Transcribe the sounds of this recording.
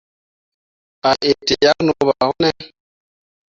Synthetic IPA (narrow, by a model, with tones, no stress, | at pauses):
a˨ʔe˨te˨ja˦kno˨ba˨hɔ˦nɛ˦